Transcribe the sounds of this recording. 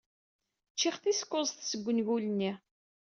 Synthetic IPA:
t͡ʃːɪχθiskːʊzˤθsəɡʷːənʝulnːi

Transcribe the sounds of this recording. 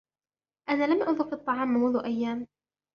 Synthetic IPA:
ʔanaːlamʔʊðˤʊfɨt̪ˤːɑʕɑːmːmʊðʊʔajːaːm

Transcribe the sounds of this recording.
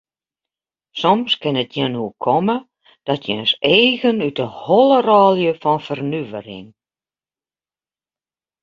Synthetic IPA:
sɔmskɪnətjɛnukʰɔmə | d̥ɔtʰjɛ̰nseːɣənytəhɔlˠərɔːlˠjəfɔnfərnyvə̰rɪ̰ŋ

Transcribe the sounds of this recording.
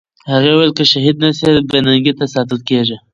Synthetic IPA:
haɣewajlkəʃaɦid̪̚nasebenaŋɡit̪asɑt̪əlkeʐi

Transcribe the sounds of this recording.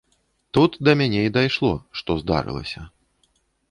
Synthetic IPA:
t̪ut̪d̪ɐmʲanʲɛid̪ajʂlˠɔ̰ʂt̪ɔzd̪a̰ɾɨ̰lˠɐ̰sʲɐ

